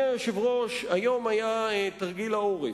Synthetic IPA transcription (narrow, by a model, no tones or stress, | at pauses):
eʃevʁoʃajo̞majaet̪aʁɡilaoʁi